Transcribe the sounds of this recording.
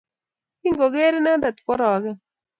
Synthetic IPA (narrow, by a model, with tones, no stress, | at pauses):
i˦ŋɡo˨ɡe˦ɾɪ˦na˦nda˨t̪̚kɔ˦ɾɔː˨ɡɛ˦